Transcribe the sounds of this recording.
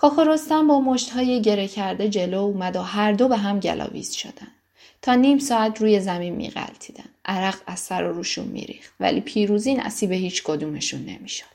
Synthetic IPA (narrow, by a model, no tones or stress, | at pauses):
kʰɒːko̞ɾo̞st̪æmbɒːmoʃt̪hɒːjeɟe̞ɾecʰæɾd̪e̞d͡ʒe̞loumæd̪oɦæɾd̪o̞be̞ɦæmɟæ̰lʔɒ̰ːvḭːz̥ʃo̰d̪ænd̪̥ | t̪ʰɒːniːmsɒːæt̪ʰɾuːje̞zæminmḭːɣæ̰lt̪ʰiːd̪æ̰n̥ʔæɾæɣæzsæɾoɾuːʃṵnmḭɾḭːxt̪væ̰lḭːpʰiːɾuːziːnʔæ̰siːbe̞hiːt͡ʃʰkʰod̪uːme̞ʃunːe̞̰miʃo̥d̪̥